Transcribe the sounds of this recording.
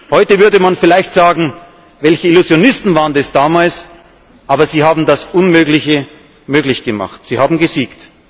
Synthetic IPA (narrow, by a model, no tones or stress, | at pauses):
hɔʏtəvʏɐdəmanfɪlaɪçtz̥aːɡŋ̩ | vɛlçəɪluzjonɪstn̩vaːʁəndɛsd̥aːmaːls | ʔaːbɐziːhaːbm̩dasʔʊnmøːklɪçə | møːklɪçɡ̥əma̰χtz̥iːhaːbm̩ɡəziːkt